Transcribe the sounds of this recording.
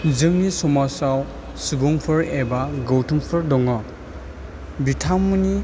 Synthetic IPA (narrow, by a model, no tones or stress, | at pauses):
zɯŋnisɔmasaw | subɔŋpʰɯɾebaɡɔwtʰumpʰɯɾdɔŋɔ | bitʰamːɯni